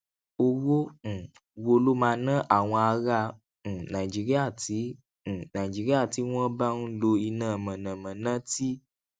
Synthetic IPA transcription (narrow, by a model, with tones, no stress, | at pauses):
o˧wõ˦˨ | wo˧lo˦mã˧nã˦ʔa˦˨w̃ɔ̃˧a˧ɾã˧˨ | nã˨i˨d͡ʒi˨˦ɾi˦a˦˨tĩ˨˦˨ | nã˨i˨d͡ʒi˨˦ɾi˦a˦˨ti˨˦w̃ɔ̃˦ba˦nũ˦lo˧i˧nãː˨mã˨nã˨mã˨nã˦ti˦